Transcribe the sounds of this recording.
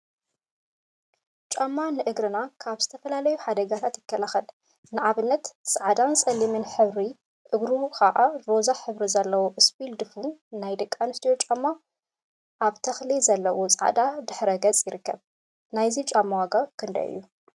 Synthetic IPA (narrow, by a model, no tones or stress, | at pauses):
t͡ʃʼamːanɨʔɨɡɾɨnakʰaβzɨt̪ʰɐfɐlalɐjuħad̪ɐɡat̪ʰat̪jɪkʰːɐlaxɐl | nɨʕaβɨnːɐt̪sʼaʕd̪ansʼɐlimɨnħɨβɾi | ʔɨɡɾukʰaʔaɾo̞zaħɨβɾizɐlːɐwoʔɨsbild̪ɨfunnajd̪ɐkʼːanɨst̪ʰijot͡ʃʼamːa | ʔaβt̪ʰɐxlizɐlːɐwot͡sʼʕa̰d̪ad̪ɨħɾɐɡɐt͡sʼjɪɾɨkːɐβ | najzit͡ʃʼamːawaɡakʰɨnd̪ɐ̰ʔɨ̰jːu